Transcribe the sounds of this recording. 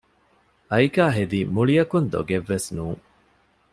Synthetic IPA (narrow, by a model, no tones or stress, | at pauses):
ɐjkaːɦed̪imuɭiɐkund̪o̰ɡeʋːesnuːŋ